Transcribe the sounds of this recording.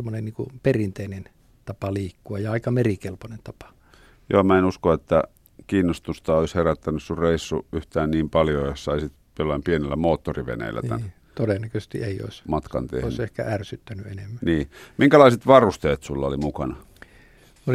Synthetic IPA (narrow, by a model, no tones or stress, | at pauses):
emːonenniːŋkṵperint̪einen | t̪ɑpɑliːkːuɑjɑɑikɑmerikelponent̪ɑpɑ̥ | jo̰ːmæenuskoet̪ːæ | kiːnːost̪ust̪ɑoisheræt̪ːænyssurreˑisːuyht̪æːnniːmpɑljojossɑisit̪ | jolːɑimpienelːæmoːt̪ːoriʋḛnḛˑlːæ̰tnæ̰n | t̪odenːækøest̪ḭeio̰ˑismɑt̪kɑ̰nt̪ḛhoˑisehkæ̰ʔærsyt̪ːænyenemːæniːmiŋkælɑˑiset̪ʋɑrust̪eːt̪sulːɑolimukɑnɑ | o